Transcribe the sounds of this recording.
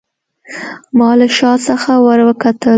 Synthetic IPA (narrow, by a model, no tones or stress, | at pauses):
mɑləʃɑsəxawəɾwəkat̪ə